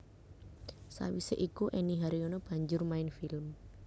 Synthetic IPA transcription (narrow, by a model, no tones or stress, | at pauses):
sa̰wiseʔikuʔɛniɦaɾionɔb̥a̤ɲd͡ʒʊrmaɪnfilm